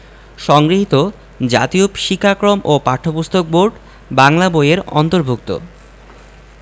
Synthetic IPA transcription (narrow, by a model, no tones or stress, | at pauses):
ʃɔŋɡɾiɦit̪o | d͡ʑa̰t̪iopʃikʰːakɾomopaɾʈʰːopust̪ʰok̚boɾɖ | baŋlabojeɾɔ̰nt̪oɾbʱukt̪o̰